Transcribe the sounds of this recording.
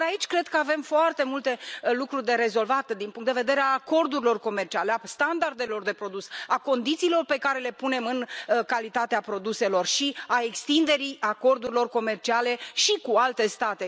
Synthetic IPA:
ait͡ʃʲkɾe̞d̪kəave̞mfoart̪e̞mult̪e̞lukɾurʲd̪e̞ɾe̞zo̞lvat̪d̪inpuŋkt̪d̪eved̪e̞ɾeaːko̞rd̪uɾilo̞rko̞mert͡ʃialeast̪and̪ard̪e̞lo̞rd̪e̞pɾo̞d̪usako̞nd̪it̪siːlo̞rpe̞kaɾe̞le̞pune̞mɨnkalit̪at̪eapɾo̞d̪use̞lo̞rʃiae̞kst̪ind̪e̞ɾijako̞rd̪uɾilo̞rko̞me̞rt͡ʃiale̞ʃikualt̪e̞st̪at̪e̞

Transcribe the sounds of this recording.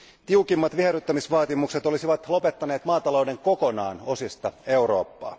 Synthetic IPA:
t̪iukimːɑt̪ʋiɦeɾyt̪ːæmisʋɑːt̪imukset̪o̞lisiʋɑt̪lo̞pe̞t̪ːɑneːt̪mɑːt̪ɑlo̞uwde̞ŋko̞ko̞nɑ̰ːno̞sist̪ɑe̞uɾo̞̰ːpːɑ̰ː

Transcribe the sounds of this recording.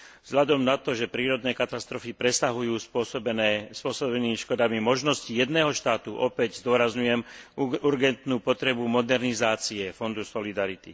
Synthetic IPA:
vz̥ɦʎad̪ɔmnat̪ɔʒɛpɾiːɾɔd̪nɛːkat̪ast̪ɾɔfipɾɛsaɦujuːnɛspʊɔsɔbɛnimiʃkɔd̪amimɔʒnɔscijɛd̪nɛːɦɔʃt̪aːt̪uʔɔpɛɟzd̪ʊɔɾazɲujɛmuɾɡɛnt̪nuːpɔt̪ɾɛbumɔd̪ɛɾnizaːt͡siɛfɔnd̪usɔlid̪aɾit̪i

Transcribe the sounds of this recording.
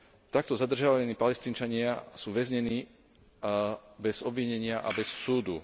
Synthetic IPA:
t̪ak̚t̪ɔzad̪r̩ʒɪaʋaaniːpalɛst̪iːnt͡ʃaɲɪasuːʋɛzɲɛniː | bɛzɔbʋiɲɛɲɪaʔa̰bɛsːuːd̪u

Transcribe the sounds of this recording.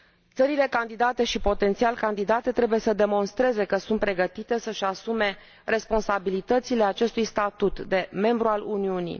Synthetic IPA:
t̪səɾile̞kand̪id̪at̪e̞ʃipo̞t̪e̞nt̪sialkand̪id̪at̪e̞t̪ɾe̞buje̞səd̪e̞mo̞nst̪ɾe̞ze̞kəsunt̪pɾe̞ɡət̪it̪e̞səʃasume̞ | re̞spo̞nsabilit̪ət̪sile̞at͡ʃe̞st̪ujst̪at̪ut̪d̪e̞me̞mbɾualuniunḭ

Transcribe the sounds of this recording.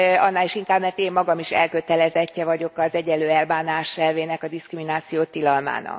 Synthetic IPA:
ɒnːaːliʃiŋkaːbmɛrt̪eːmːɒɡɒmiʃɛ̰lkø̞t̪ɛlɛzɛcːɛvɒɟo̞kɒzɛɟɛlːøːɛlbaːnaːʃɛlveːnɛkɒd̪iskriminaːt̪sijoːt̪ːilɒlma̰ːnɒ̰k

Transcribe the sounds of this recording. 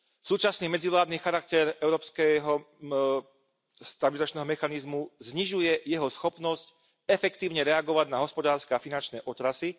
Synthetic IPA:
suːt͡ʃasniːmɛd͡ziʋlaːd̪niːxaɾak̚t̪ɛɾɛʊɾɔːpskɛɦɔ | st̪abilizat͡ʃnɛːɦɔmɛxanizmuzɲiʒujɛjɛɦɔsxɔpnɔsc | ɛfɛkt̪iːʊɲɛɾɛaɡɔʋaɟnaɦɔspɔd̪aːɾskɛafinant͡ʃnɛːʔɔt̪ɾasi

